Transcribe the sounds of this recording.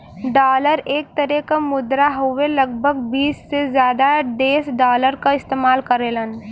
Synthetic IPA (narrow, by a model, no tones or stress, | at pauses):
ɖaːləɾeːk̚t̪əɾɛkamʊd̪ɾaɦʊʋelɐɡ̚bʱəɡbiːsːezjaːd̪aɖeːsɖaːləɾkaɪst̪eːmaːlkɐɾeːlən